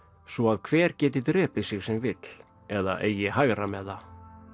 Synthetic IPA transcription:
svɔaðkʰvɛːɾ̥cɛːt̪ɪt̪ɾɛːpɪsɪɣsɛmvɪt̪l̥ | ɛða̰ʔḛːjɪɦaɣɾamɛða

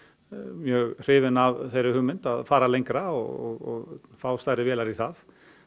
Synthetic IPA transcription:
mjœːɣr̥eːʋɪnavθɛɾɪhʏmɪnt̪aðfaːɾalɛŋkɾaɔ̰ɔ̰ɔ̰faːwst̪aɾɪʋɛːlaɾisθaːð

